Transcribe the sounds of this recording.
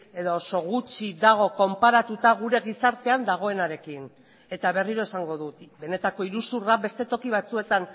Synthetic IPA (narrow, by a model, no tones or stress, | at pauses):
e̞ðo̞so̞ɣut͡ʃid̪aɣ̞o̞ko̞mpaɾat̪ut̪aɣuɾe̞ɣisaɾt̪e̞and̪aɣ̞o̞e̞naɾe̞kin | e̞t̪aβe̞riɾo̞esaŋɡo̞ðut̪be̞ne̞t̪ako̞iɾusurabe̞st̪e̞t̪o̞kiβat͡sue̞t̪an